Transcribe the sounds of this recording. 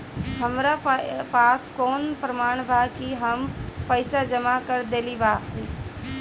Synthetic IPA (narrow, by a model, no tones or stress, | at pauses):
ɦəmɾappaːskoːnpɾəmaːɳ̃bʱakiɦəmpəɪsad͡ʒəmakəɾd̪eːlibaː